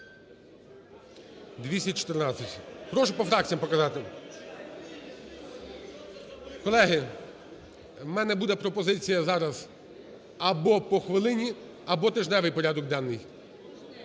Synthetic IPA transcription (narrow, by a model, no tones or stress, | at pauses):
d̪ʲʋʲisʲɐt͡ʃɔ̥t̪ernɑt͡sʲːɐtʲpɾɔʒʊpɔfɾɑk̚t͡sʲijɐmpɔkɐzɑt̪ɪ | kɔlˠɛɦɪ | mɛnɛbud̪ɛpɾɔpɔzɪt͡sʲijɐzɑɾɐz | ɐbɔpɔxʋɪlˠɪnʲi | ɐbɔt̪ɪʒnɛʋɪjpɔɾʲad̪ɔk̚d̪ɑnːɪj